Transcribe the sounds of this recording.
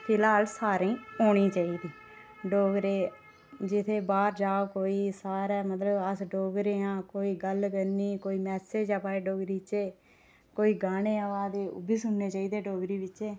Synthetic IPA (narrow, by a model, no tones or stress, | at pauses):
pʰɪlaːlsaːɾĩːoːɳĩːt͡ʃaːiːd̪iː | ɖoːɡɾeː | d͡ʒɪt̪ʰeːbaːɾd͡ʒaːokoːiːsaːɾɛːmət̪ləbəsɖoːɡɾeːãːkoːiːɡəlkəɾniːkoːiːmɛːseːd͡ʒaːpaːeːɖoːɡɾiːt͡ʃeː | koːiːɡaːneːaːʋaːd̪eːʊ̰biːsʊnːeːt͡ʃaːiːd̪eːɖoːɡɾiːʋɪẽː